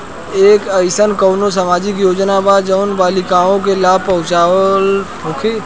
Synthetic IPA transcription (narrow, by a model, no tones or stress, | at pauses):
eːkəɪsənkəʊnos̬əmaːd͡ʒɪk̬joːd͡ʒnabaːd͡ʒəʊnbaːlikaːõk̬elaːb̚pɐɦʊ̃t͡ʃaːl | okʰi